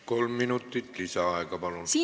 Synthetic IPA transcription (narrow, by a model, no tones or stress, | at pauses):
kolmːinut̪ːit̪lisæɑˑikɑpɑlosiː